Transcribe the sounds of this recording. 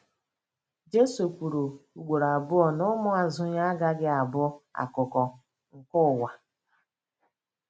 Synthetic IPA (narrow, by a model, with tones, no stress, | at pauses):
d͡ʒe˦su˨kʷu˨ɾu˨u˨ɡ͡bʷo˨ɾa˨bʊ˦ɔ˨nʊ˦mʊ˦a˨zʊ˦ɲa˦ɡa˦ɡɪ˦a˨bʊ˦a̰˨kʊ˨kɔ˨ | ŋ̩˨kʊ˦˨wa˨